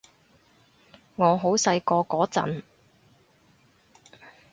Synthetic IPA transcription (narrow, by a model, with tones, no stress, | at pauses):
ŋɔː˨˧ɦo˨˥wsɐ˧jkɔː˧kɔː˨˥t͡sɐ̰˨˥n